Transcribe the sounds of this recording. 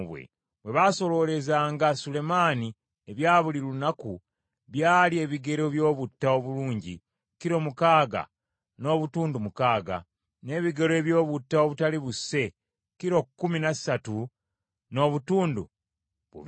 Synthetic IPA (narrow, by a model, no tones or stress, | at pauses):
βwḛ | βwe̞βaso̞lo̞le̞zaːŋɡasule̞mani | eβjaːβuliɾuunaku | βjaːlie̞βiɡe̞ɾo̞βjo̞ːβutːao̞βuluːɲɟi | kiɾo̞mukaːɡa̰ | no̞ːβutuːndumukaːɡa̰ | ne̞ːβiɡe̞ɾoe̞βjo̞ːβutːao̞βutaliβusːe̞ | kiɾo̞kːuminassatu | no̞βutuːndṵ | βṵβ